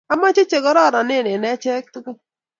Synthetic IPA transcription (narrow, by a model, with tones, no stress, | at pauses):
a˦ma˦t͡ʃɪ˦t͡ʃe˨kɔ˦ɾɔ˦˨ɾɔ˨nɪ˦˨ne˨nɛ˦t͡ʃɛ˦k̚t̪u˦ku˦